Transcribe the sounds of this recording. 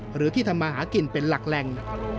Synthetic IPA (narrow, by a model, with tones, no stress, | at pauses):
ɾɯː˨˩˦t̪ʰiː˥˩t̪ʰa˧mːaː˧ɦaː˩˦ki˨˩npe˧nla˨˩k̚lɛ˨˩ŋ